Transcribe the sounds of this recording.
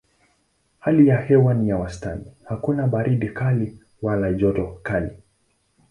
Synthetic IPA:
halijahɛwanijawastanihakunaɓaɾiɗikali | walaʄɔtɔkali

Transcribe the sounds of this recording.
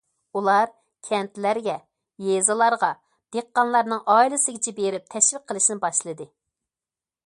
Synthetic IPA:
ulˠɑɾ | kʲʰɛnt̪læɾɡʲɛ | jezɨlˠɑɾʁɑ | d̪̥eqːɑnlˠɑɾnɨŋʔɑilˠɪsɪɡʲɪt͡ʃʰɛbeɾɪp̚t̪ʰɛʃwɪk̚qʰːəlˠɨʃinɪbɑʃlˠɨd̪ɨ

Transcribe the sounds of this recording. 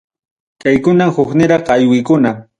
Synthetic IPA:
kajkʊnamhʊχnɪɾɑχajwɪjkʊna

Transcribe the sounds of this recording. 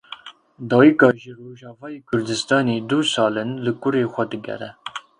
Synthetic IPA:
d̪ɑːwikɑːʒiroːʒɑːvɑːjeːkʰʊɾd̪ɨst̪ɑːneːd̪usɑːlɨnlɨkʊɾeːxʷɛd̪ɨɡʲɛ̰ɾɛ

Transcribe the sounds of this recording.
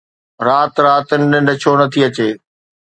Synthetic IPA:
ɾaːt̪ɾaːt̪ənɪ̆ɗɪ̃nɖʱət͡ɕʰonɐt̪ʰiɐt͡ɕeː

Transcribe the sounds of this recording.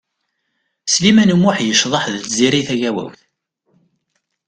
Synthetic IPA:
slimænəmːʊħjəʃðˤɑħðəziɾiθæʝæwæ̰wθ

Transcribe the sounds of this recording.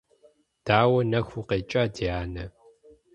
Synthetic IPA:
d̥aːwɐnɐxʷuqeːt͡ʃʼaːdiaːnɐ

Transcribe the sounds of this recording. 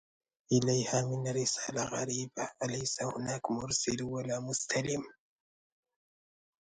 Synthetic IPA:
ʔɪlajhaːmɪnrːɪsaːlaɣaɾiːbaʔalajsahʊnaːkmʊɾsɪlwalaːmʊst̪alɪm

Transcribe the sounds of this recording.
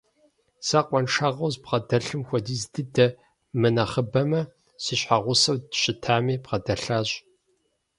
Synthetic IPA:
sɐqʷʼɔnʈ͡ʂʰaʁɐwzbʁɐdɐɬɨmxʷɔdiːzdɨdɐ | mɨnɐχəbɐmɐ | siːɕħaʁʷʊsɐwdɕʼɪtʰaːmiːpʁɐdɐɬaːɕ

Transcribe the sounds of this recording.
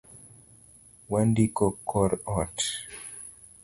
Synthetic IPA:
wandikɔkʰɔɾɔt

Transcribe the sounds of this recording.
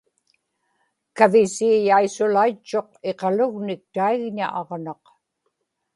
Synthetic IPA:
kavɪsiːjaisʊlait͡ʃːo̞q̚e̞qɑlʊɣnɪk̚t̪aiɣɲa̰ʔɑʁnɑq

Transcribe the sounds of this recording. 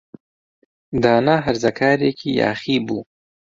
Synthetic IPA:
d̪ɑːnaɦaɾzakʰaːɾekʰijɑ̰ːxibu

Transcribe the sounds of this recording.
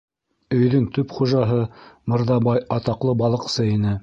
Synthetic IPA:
ɵ̆jðɵŋt̪ɵpχuʒɑɦɤmɤ̆ɾðɑbɑjɑt̪ɑqlˠɤbɑlˠɤ̆qsɤinɘ

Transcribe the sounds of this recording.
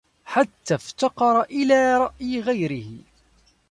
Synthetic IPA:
ħat̪ːaft̪ɑqɑɾˤɑʔɪlaːɾˤɑʔjɪɣajɾɪhɪ

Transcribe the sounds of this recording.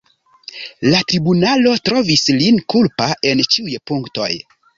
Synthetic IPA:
latɾibunalo̞tɾo̞vislinkulpaʔe̞nt͡ʃiujpuŋkto̞̰j

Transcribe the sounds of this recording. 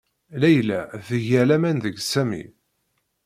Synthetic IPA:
læjlæ̰ðəʝælæmænðəɡsæmḭ

